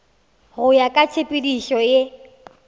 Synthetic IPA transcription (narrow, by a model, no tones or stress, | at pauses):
ɣʊjakʼat͡ʃʰepʼidiʃɔje